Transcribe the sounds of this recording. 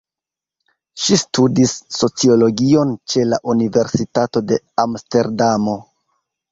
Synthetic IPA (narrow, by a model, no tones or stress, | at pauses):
ʃistudisːo̞t͡sio̞lo̞ɡio̞nt͡ʃe̞la̰ʔunive̞ɾsitato̞de̞ | amste̞ɾdamo̞